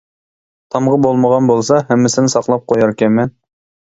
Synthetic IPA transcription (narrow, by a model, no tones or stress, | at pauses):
t̪ʰɑmʁəbolˠməʁɑnbolˠsɑɦɛmːɪsɪnɪsɑqlˠɑp̚qʰojɑɾkʲɛmɛn